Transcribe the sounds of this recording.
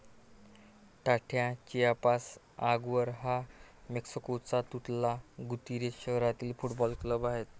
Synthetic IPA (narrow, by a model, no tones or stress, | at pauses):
ʈaʈʰjãt͡ɕijapas | aɡʋəɾɦameksikot͡sat̪uʈ̪laɡut̪iɾeɕəɦɾat̪ilfuʈbɔlkləbaɦet̪